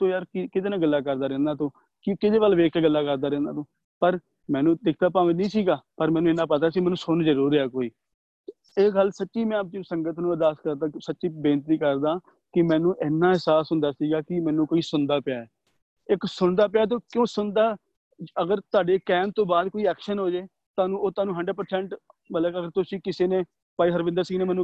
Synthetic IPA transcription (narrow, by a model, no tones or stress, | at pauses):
t̪õːjaːɾkɪkɪt̪eːnãːɡəlːaːkəɾd̪aːɾɛ̃ːnd̪aːt̪õː | kɪkɪd̪eːʋəlːʋeːkeːɡəlːaːkəɾd̪aːɾɛ̃ːnd̪a̰ːt̪õː | pəɾ | mɛ̃ːnũːd̪ɪkʰt̪aːpãːʋenĩːsiːɡaːpəɾmɛ̃ːnũːɪnːãːp̬ət̪̬aːsiːmɛ̃ːnũːsʊɳd͡ʒəɾuːɾɛːkoːiː | eːɡəlsətːʃiːmɛ̃ːəp̚d͡ʒɪsəŋɡət̪nũːd̪aːskəɾd̪aːsətːʃiːbeːnt̪iːkəɾd̪aː | kɪmɛ̃ːnũːʔɪnːaːɦɪsaːsɦʊnd̪aːsiːɡaːkɪmɛːnũːkoːiːsʊnd̪aːpjaːɛː | ɪksʊɳd̪aːp̬ɪjaːt̪̬oːkjõːsʊnd̪aː | əɡəɾt̪ʊaːɖeːkɛːmt̪õːbaːd̪koːiːɛːkʃənɦoːd͡ʒeː | t̪aːnũːoːt̪ʊaːnũːɦəɳɖəɖpəɾsɛ̃ːɳʈ | mələəɡəɾt̪ʊsĩːkɪseːnẽː | paːiːɦəɾʋɪ̃nd̪əɾsiːɡneːmɛːnũː